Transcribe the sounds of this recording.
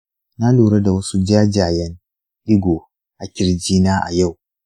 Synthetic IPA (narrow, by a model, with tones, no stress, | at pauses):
na˦luː˨ɽɐ˦da˨wɐ˦su˦d͡ʒaː˦d͡ʒaː˨jɛ˦n | ʔɪ˦ɡʷoː˨ | ʔa˨kʲɪ˨ɽd͡ʒiː˦naː˦ʔa̰˨ja˦˨w